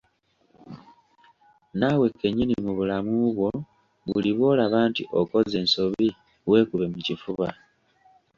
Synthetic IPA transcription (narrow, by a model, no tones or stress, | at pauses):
nawe̞kːeɲinimuβulamuβwo̞ | βuliβoːlaβaːntiʔo̞ko̞ze̞nso̞βi | we̞ːkuβe̞mucifuβa